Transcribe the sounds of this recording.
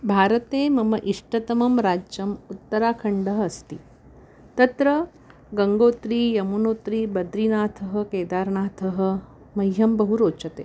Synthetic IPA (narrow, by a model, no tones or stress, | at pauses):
bʱaːɾɐt̪eːmɐmɐʔiʂʈɐt̪ɐmɐmɾaːd͡ʒjɐmut̪ːɐɾaːkʰɐɳɖɐɦɐst̪i | t̪ɐt̪ɾɐ | ɡɐŋɡoːt̪ɾiːjɐmunoːt̪ɾiːbɐd̪ɾinaːt̪ʰɐɦɐ̆keːd̪aːɾnaːt̪ʰɐɦɐ̆ | mɐjɦɐmbɐɦuɾoːt͡ʃɐt̪ḛː